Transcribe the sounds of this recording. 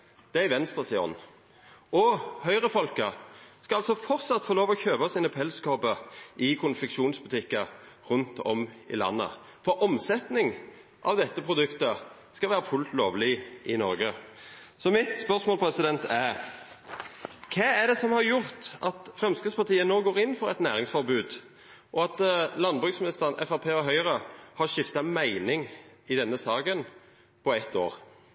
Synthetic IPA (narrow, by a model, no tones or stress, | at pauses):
d̪̥ɛæʋɛnst̪ʁəsɪɔ̰n | ɔhœʏʁəfɔlkəskɑɑlsɔfɔʁt̪sɑt̪ːfoːloːʋɔçøːbɑsiːnəpʰɛlskoːbəʔɪkʰʊnfɪkʂuːnsbʉt̪ʰɪkːɑʁʉnt̪ɔ̰mɪ̰lɑ̰nːə̰ | fɔʁʔɔmsɛt̪nɪŋ | ʔɑ̰ʋd̪ɛt̪ːəpʰʁʊd̪ʉkt̪ə | skɑʋæːɾəfʉlt̪loːʋlɪʔɪnɔɾɡə | sɔmɪt̪spœʁsmoːlpʰɾɛsɪd̪ɛnt̪ʰæɾʁ | kʰɑːæd̪ɛsɔmhɑɾjʊʁt̪ʔɑt̪fʁɛmskəspɑʁt̪iːənoːɡoːɾɪnfɔʁɛt̪næːɾɪŋsfɔɾbʉːd̪ | ʔɔɑt̪lɑnbʁʉːksmɪnɪst̪əʁənɛ̰fɑʁpʰeːɔɦœʏʁɑhɑʁʃɪft̪ɑmæɪnɪŋɪd̪ɛnːəsɑːɡən | pʰɔɛt̪ːo̰ːʁ